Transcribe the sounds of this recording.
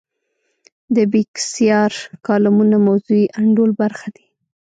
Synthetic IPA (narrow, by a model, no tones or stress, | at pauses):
d̪əbiksijɑɾkɑlamunamawzuiʔaɳɖolbaɾxad̪i